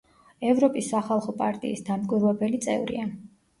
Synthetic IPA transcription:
ɛvɾɔpʼisːaχalˠχɔpʼaɾt̪ʼḭisd̪amkʼiɾwɛbɛlit̪sʼɛ̰vɾḭa

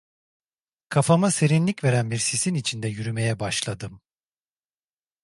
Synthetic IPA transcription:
kʰafamase̞ɾinlʲicve̞ɾænbiɾsisinit͡ʃʰind̪ɛjyɾyme̞jɛbaʃlˠad̪ɯm

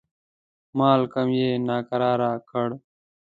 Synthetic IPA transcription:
maːlkəmjeːnaːkəɾaːɾaːkʰəɽ

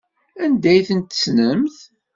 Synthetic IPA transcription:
ænd̪æjθənt̪ːə̥snəmθ

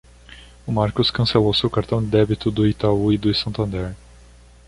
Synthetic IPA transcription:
ʊmaɾkʊskɐ̃selowsewkaɾt̪ɐ̃w̃d̪ɪd̪ɛbit̪ʊd̪ʊit̪auid̪ʊsɐ̃nt̪ɐ̃nd̪ɛɾ

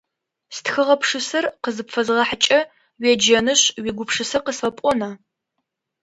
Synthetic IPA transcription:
stxɨʁɐpʰʂɨsɐrqəzɨpfɐzʁɐħt͡ʃʼɐ | wɛd͡ʒɐnɨɕwiɡʷʊpʂɨsɐqəsfɐpʷʼɔnɐ

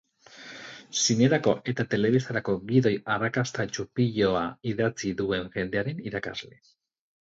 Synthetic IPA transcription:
sineɾako̞ʔe̞t̪at̪e̞le̞βist̪aɾako̞ɡiðo̞jarakast̪at͡ʃupiʎo̞aiðat͡siðue̞ŋʝe̞nd̪e̞aɾe̞niɾaka̰zle̞

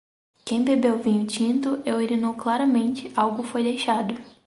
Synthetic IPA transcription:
kẽj̃bebewvĩɲʊt͡ʃĩnt̪ʊʔeweɾinowklaɾɐmẽnt͡ʃɪawɡʊfojd̪ejʃad̪ʊ

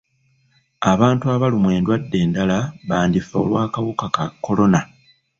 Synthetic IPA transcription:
aβaːntuaβalimwe̞ːndwadːe̞ːndalaβaːndifao̰lwaːkaβukakakːo̞lo̞na

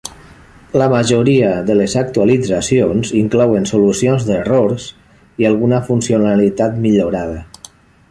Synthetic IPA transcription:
ləmaʒuɾiəðəlezak̚t̪ualid͡zasionziŋklɔwensolusionzðeroɾs | ialˠɣunəfunsionalit̪at̪miʎuɾað̞ə

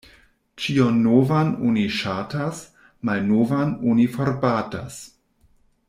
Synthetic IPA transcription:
t͡ʃionːovanoniʃatʰas | majnovanonifoɾbaːtas

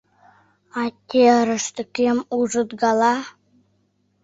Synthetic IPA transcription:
ɑt̪ʲːeɾə̆ʂt̪ə̆kʲemuʐɤ̆t̪ɡɑlˠɑ

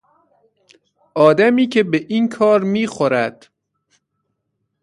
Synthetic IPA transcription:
ʔɒːd̪æmiːcʰe̞beʔiːnkʰɒːɾmiːxoɾæd̪̥

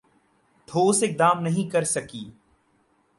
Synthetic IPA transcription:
t̪ʰoːsɪk̚d̪aːmnɐɦĩkɐɾsɐkiː

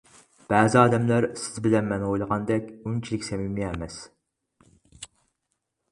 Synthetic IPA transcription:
b̥æːzɪɑːd̪ɛmlæɾsɪ̥zbɪlɛnmɛnojlˠəʁɑnd̪ɛkʲunt͡ʃʰilɪkʲsɛmimiɛmɛs

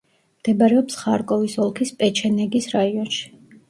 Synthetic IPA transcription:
md̪̥ɛbaɾɛɔpsχaɾkʼɔvisɔlˠkʰispʼɛt͡ʃʰɛnɛɡisɾaiɔnʃi̥

